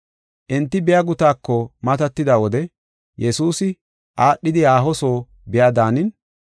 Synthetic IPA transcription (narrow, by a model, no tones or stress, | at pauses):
ʔɪnt̪ːɪbɪjaɡʊt̪aːkːɔmɐt̪ɐt̪ːɪd̪awɔd̪ɛ | jɛsuːsɪ | ʔaːɗːɪd̪ɪaːɦɔso̞ː | bɪjad̪aːnɪn